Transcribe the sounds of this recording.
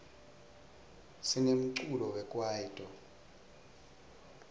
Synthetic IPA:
sinem̩ǀulɔwɛkʼwaitʼɔ

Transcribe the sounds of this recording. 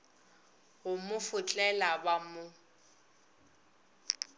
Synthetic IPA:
hʊmʊfʊt͡ɬʼɛlabamʊ

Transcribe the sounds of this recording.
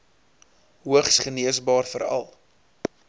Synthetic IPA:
ɦuəχsχəniəsbɑːrfəɾɐ̰lˠ

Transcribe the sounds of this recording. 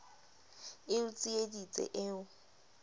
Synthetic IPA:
ɪʊt͡sʼiedit͡sʼɛ̰ʔɪːʊ

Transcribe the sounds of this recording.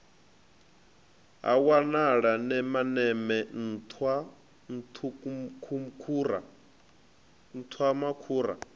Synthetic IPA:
ɦa̰wanaɺanɛmanɛmɛn̩tʰwa | n̩tʰukʰumkʰuːɾa̰ | n̩t̪ʰwamakʰuːɾa̰

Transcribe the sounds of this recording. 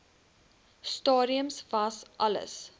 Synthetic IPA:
stɑːɾiəmsvɐsʔɐlə̰s

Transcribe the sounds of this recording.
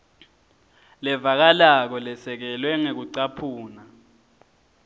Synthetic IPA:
lɛvak̬alak̬ɔlɛsɛk̬ɛlwɛŋek̬uǀapʰuːna

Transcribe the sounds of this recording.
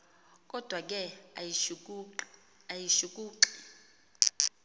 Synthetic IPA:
kʼɔd̥ʱwak̬ʼɛa | ajiʃuk̬ʼuːǁi̥

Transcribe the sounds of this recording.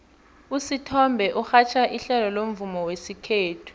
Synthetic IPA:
usitʰɔmbʱɛʔuxat͡ʃʰaʔiɬɛlɔlom̩vumɔwesikʰeːtʰu̥

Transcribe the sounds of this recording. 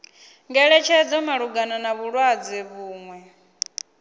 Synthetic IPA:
ŋɡɛɺɛt͡ʃʰɛd͡zɔmaɺuɡananaβuɺwad͡zɛβuːŋwɛ

